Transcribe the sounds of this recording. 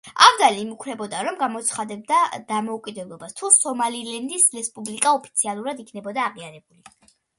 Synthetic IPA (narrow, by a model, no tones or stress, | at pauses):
avd̪aliːmukʰɾɛbɔd̪aɾɔmɡamɔt̪sʰχad̪ɛb̚d̪ad̪̥amɔukʼid̪ɛblˠɔbast̪ʰusɔmalilɛnd̪isɾɛspʼublikʼaɔpʰi̥t̪sʰialˠuɾad̪ikʰnɛbɔd̪aːʁiaɾɛbuli